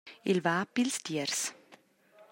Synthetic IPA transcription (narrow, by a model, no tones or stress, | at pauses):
ɪlvaːpilstiəɾs